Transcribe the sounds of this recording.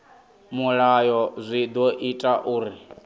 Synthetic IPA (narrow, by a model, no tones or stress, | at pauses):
muɺajɔzʷid̪ɔʔitʼaʔuːɾi